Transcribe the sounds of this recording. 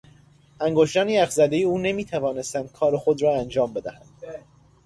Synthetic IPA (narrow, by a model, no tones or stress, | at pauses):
æŋɡoʃt̪ɒːniːæxzæd̪e̞jeuːne̞miːt̪ʰævɒːne̞st̪ænd̪̥̚kʰɒːɾexod̪ɾɒːænd͡ʒɒːmbe̞d̪æhænd̪̥